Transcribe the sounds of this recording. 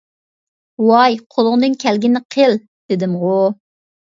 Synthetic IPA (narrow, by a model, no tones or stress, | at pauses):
wɑjqʰolˠʊʁnɨŋkʲʰælɡʲinɪqʰəl | d̪̥ɪd̪ɪmo